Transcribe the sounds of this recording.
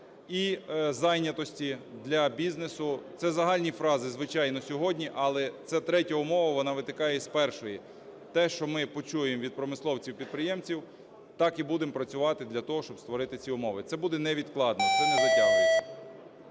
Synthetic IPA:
izɑjnʲɐt̪ɔsʲtʲid̪lʲɐbʲiznesʊt̪sɛzɐɦɑlʲnʲifɾɑzɪzʋɪt͡ʃɑjnɔsʲɔɦɔdʲnʲiʔɐlˠɛt̪sɛt̪ɾɛtʲɐʊmɔʋɐʋɔnɑʋɪt̪ɪkɑjɛspɛrʃɔji | t̪ɛʃt͡ʃɔmɪpɔt͡ʃujemʋʲid̪̚pɾɔmɪslˠɔwt͡sʲiwpʲid̪̚pɾɪjɛmt͡sʲiw | t̪ɑkibud̪empɾɐt͡sʲʊʋɑt̪ɪd̪lʲɐt̪ɔɦɔʃt͡ʃɔb̥st̪ʋɔɾɪt̪ɪt͡sʲiʊmɔʋɪt̪sɛbud̪ɛnɛʋʲid̪klˠɑd̪nɔt̪ɔnɛʋɪd̪a

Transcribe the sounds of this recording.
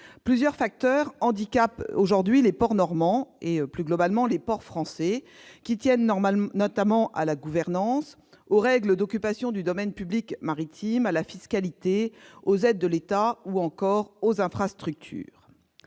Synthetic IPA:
plyzjœʁfak̚t̪œʁɑ̃d̪ikʲapoʒuʁd̪ɥilepɔʁnɔʁmɑ̃eplyɡlɔbalmɑ̃lepɔʁfχɑ̃sɛ | kʲit̪jɛnnɔt̪amɑ̃ʔa̰laɡuvɛʁnɑ̃s | oʁɛɡləd̪ɔkʲypasjɔ̃d̪yd̪ɔmɛnpyblikmaʁit̪ʰimalafiskalit̪eozɛd̪ːəlet̪auɑ̃kɔʁozɛ̃fχast̪χyk̚t̪ʰy̰ːʁ

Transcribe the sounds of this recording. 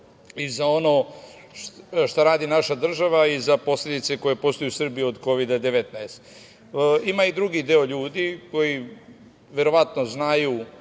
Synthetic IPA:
izao̞no | ʃt̪aɾaːd̪inaʃad̪r̩ʒaʋaizapo̞slʲe̞d̪it̪se̞ko̞je̞po̞st̪ojusr̩bijod̪ko̞ʋid̪ad̪e̞ʋet̪naest̪ | imaid̪ɾuɡid̪eo̞ʎuːd̪iko̞ji | ʋe̞ɾo̞ʋat̪no̞znaju

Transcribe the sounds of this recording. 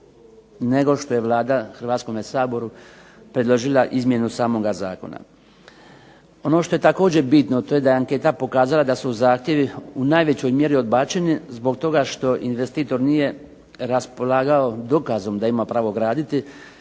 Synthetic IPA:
ne̞ɡo̞ʃt̪o̞je̞ʋlˠaːd̪axr̩ʋaːt̪sko̞mesaːbo̞ɾu | pɾe̞d̪lˠo̞ʒilˠaʔizmje̞nusaːmo̞ɡaza̰ːko̞̰na̰ | o̞no̞ʃt̪o̞je̞t̪ako̞ːd͡ʑe̞bit̪not̪o̞je̞d̪ajeaŋke̞t̪apo̞kaːzalad̪asuzaːxt̪je̞ʋiunaːjʋe̞t͡ɕo̞jmje̞ɾio̞d̪baːt͡ɕenizbo̞ɡ̚t̪o̞ɡaʃt̪o̞ʔinʋe̞st̪iːt̪o̞ɾnije̞ | ɾaspo̞lˠaːɡao̞d̪o̞kazo̞md̪aimapɾaːʋoɡɾaːd̪it̪i

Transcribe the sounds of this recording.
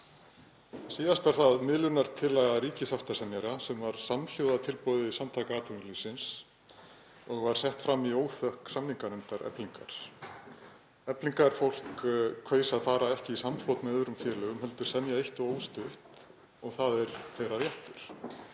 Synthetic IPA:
siːðast̪aɾ̥θaðmɪðlʏnaɾ̥t̪ʰɪlːaɣaɾiːcɪsaft̪asɛmjaɾasɛmvaɾ̥saml̥jowðat̪ʰɪlpowðɪisamt̪ʰaːkaaːt̪ʏnlisɪns | ɔɣvaɾ̥sɛht̪fɾamːioːwθœhksamniŋkaɾnɛmt̪aɾɛ̰pliŋka̰ɾ̥ | ɛpliŋkaɾ̥fowl̥kkʰveːjsaðθaːɾaɛhcɪisamflowt̪mɛɛðʏɾʏmfjɛːɾlœɣʏmhɛl̪t̪ʏɾ̥sɛmjaeht̪ɔɣoːwst̪ʏht̪ | ɔɣθaðɛɾθejɾaɾjɛht̪ʏɾ̥

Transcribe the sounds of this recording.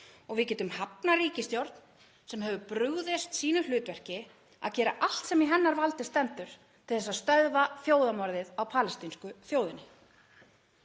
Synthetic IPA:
ɔɣvɪðcɛːt̪ʏmhapnaɾiːcɪst̪jowɾt̪n | sɛmɦœvʏpɾʏɣðɪst̪siːnʏlʏːt̪vɛr̥cɪ | a̰ðcɛːɾaʔal̥t̪sɛmiɦɛnːaɾvalt̪ɪst̪ɛnt̪ʏɾ̥ | t̪ʰɪlθɛsast̪œðvaθjoːwðamɔɾðɪðawpʰaːlɛst̪inskʏθjoːwðɪnːɪ

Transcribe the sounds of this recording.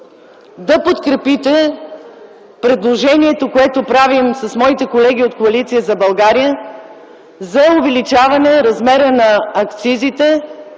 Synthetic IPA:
d̪ɐpot̪kɾɛpit̪ɛ | pɾɛd̪lˠoʒɛniɛt̪okoɛt̪opɾavimsɐsmɔit̪ɛkolɛɡ̟iot̪̚koɐlit̪sijəzɐbɐlˠɡaɾijə | zɐʊvɛlit͡ʃavɐnɛɾɐzmɛɾənɐːkt̪sizit̪ɛ

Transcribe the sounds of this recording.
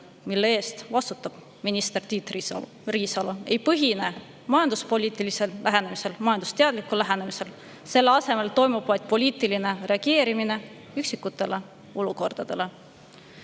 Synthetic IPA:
milːeeːst̪vɑst̪u̥t̪ːˑɑb̥ | minist̪e̞rt̪iːt̪ri | riːsɑlue̞jpɤɦine̞ | mɑjɑnd̪uspo̞lʲiːt̪ːˑilise̞lːæɦe̞nemise̞lmɑjɑnd̪u̥st̪e̞ɑd̪likːulːæɦene̞mise̞l | se̞lːeɑse̞me̞lt̪o̞jmub̥vɑjd̪̥̚po̞lʲiːt̪ˑiline̞re̞ɑɡ̥e̞ːɾimine̞ | yksikːˑut̪ːˑe̞le̞ | oluko̞rd̪̥ɑd̪̥e̞le̞

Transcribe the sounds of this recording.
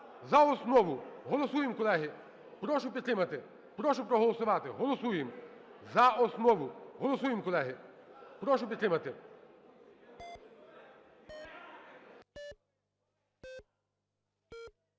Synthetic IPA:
zɐɔsnɔʋʊɦɔlˠɔsujɪmkɔlˠɛɦɪ | pɾɔʃʊpʲit̪t̪ɾɪmɐt̪ɪ | pɾɔʃʊpɾɔɦɔlˠɔsʊʋɑt̪ɪɦɔlˠɔsujɪmzɐɔsnɔʋʊɦɔlˠɔsujɪmkɔlˠɛɦɪpɾɔʃʊpʲit̪ɾɪmɐt̪ɪ

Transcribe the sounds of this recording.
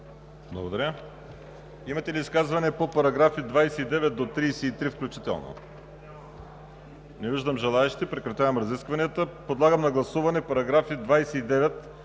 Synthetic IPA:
blˠɐɡod̪ɐɾʲə | imɐt̪ɛliːskazvɐnɛpopɐɾɐɡɾafid̪vajsɛid̪ɛvɛt̪̚d̪ot̪ɾijsɛit̪ɾifklʲut͡ʃit̪ɛ̰lˠno̰ | nɛviʒd̪əmʒɛlˠaɛʃit̪ɛpɾɛkɾɐt̪ʲavɐmɾɐziskvɐniət̪əpod̪lˠaɡəmnɐɡlˠɐsuvɐnɛpɐɾɐɡɾafid̪vajsɛid̪ɛvɛt̪

